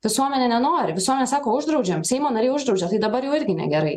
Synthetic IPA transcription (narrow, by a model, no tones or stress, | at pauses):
ʋʲɪsuɔmʲɛnʲɛːnʲɛnoːɾʲɪʋʲɪsuɔmʲɛnʲɛsɑːkoːʊʒd̪ɾɒʊd͡ʒʲɛmsʲɛɪmoːnɐɾʲeːʊʒd̪ɾɒʊd͡ʒʲɛt̪ɐɪd̪ɐbɐɾjuːɪɾʲɡʲɪnʲɛ̰ɡʲɛɾɐɪ